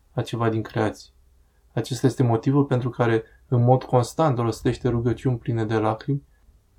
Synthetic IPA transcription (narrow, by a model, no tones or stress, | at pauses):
at͡ʃe̞vad̪iŋkɾe̞at̪sʲi̥ | at͡ʃe̞st̪aje̞st̪e̞mo̞t̪ivulpe̞nt̪ɾukaɾe̞ | ɨnmo̞d̪ko̞nst̪ant̪lo̞st̪e̞ʃt̪e̞ɾuɡət͡ʃiunʲplined̪e̞lakɾimʲ